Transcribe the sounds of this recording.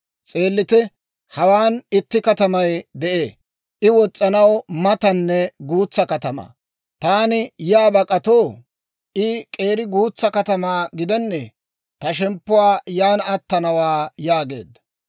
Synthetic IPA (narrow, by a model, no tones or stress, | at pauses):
t͡sʼe̞ːlːɪt̪ɛ | hɐwaːnɪt̪ːɪkɐt̪ɐmɐjd̪ɛʔeː | ʔɪwɔt͡sʼːɐnɐwmɐt̪ɐnːɛɡuːt͡sːɐkɐt̪ɐma̰ | t̪aːnɪjaːbɐkʼɐt̪oː | ʔɪkʼe̞ːɾɪɡuːt͡sːɐkɐt̪ɐmaːɡɪd̪ɛnːɛ | t̪ɐʃɛmpːʊwaːjaːnɐt̪ːɐnɐwaːjaːɡe̞̰ːd̪ːɐ̥